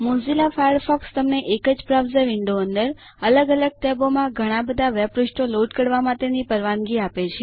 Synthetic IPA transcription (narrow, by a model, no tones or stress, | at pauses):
mũzilafajəɖfɔkst̪əmneʔekəd͡ʒpɾaʋzəʋɪɳɖoənd̪əɾ | ələɡələɡ̚ʈ̪ɛbomãɡʱəɽ̃ãbəd̪ʱaʋɛbɾusʈoloʈkəɽʋamãt̪enipəɾʋanɡiapet͡ʃʰe